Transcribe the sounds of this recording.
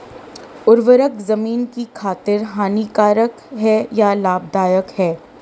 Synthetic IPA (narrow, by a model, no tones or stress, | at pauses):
ʊɾʋəɾəkzɐmiːnkikʰaːt̪ɪɾɦaːnikaːɾək | ɦɛjalaːb̚d̪aːjəkhɛː